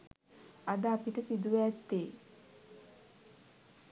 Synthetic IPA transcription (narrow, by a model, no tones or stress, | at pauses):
ad̪əapiʈəsid̪uʋæt̪ːeː